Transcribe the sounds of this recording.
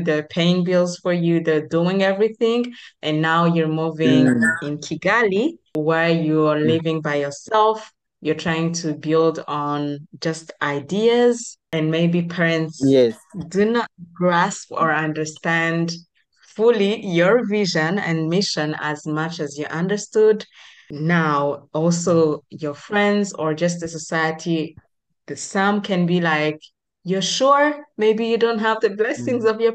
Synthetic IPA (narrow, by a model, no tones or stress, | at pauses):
ðɨpʰẽɪ̃nbilˠz̥fə˞juðɨduɪ̃ŋɛvɹiθɪ̃ŋʔɨ̃nːaʊjɔ˞muvɪ̃ŋɪ̃nkʰiɡaliwɛɹjualivɪ̃ŋbaɪjə˞sɛlˠf | jə˞tʰɹ̥ajɪ̃ŋtʰubɪlˠdn̩d͡ʒʌstʔaɪdiəzɨ̃nmeɪbipʰɛɹɨ̃ntsɛdunət̚ɡ̥ɹæspə˞ʌ̃ndə˞stæ̃nd | fulˠijə˞vɪʒɨ̃nɨ̰̃nmɪʃɨ̃næ̰zmʌt͡ʃɨzjɨʔʌ̃ndə˞stud | naʊɔlˠsoʊjə˞fɹɛ̃ndzə˞d͡ʒʌs̬tðɨsəsaɪɨtʰi | ðɨsʌ̃mkʰɨ̃nbilaɪk | jə˞ʃuɹmeɪbijɨdõʊ̃nt̚ɦævðɨblɛsɪ̃ŋzʌvjə˞